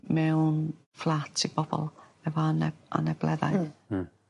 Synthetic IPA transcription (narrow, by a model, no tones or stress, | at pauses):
mɛwn | flˠatʰib̥ɔbɔ̰lˠɛvɔnɛʔa̰nɛblɛða̰j